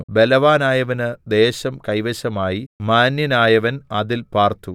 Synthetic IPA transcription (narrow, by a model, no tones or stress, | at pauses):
be̞lɐʋaːnaːjɐʋɐnɨd̪e̞ːɕɐmkɐjʋɐɕɐmaːjimaːnjinaːjɐʋɐnɐðilpaːrt̪u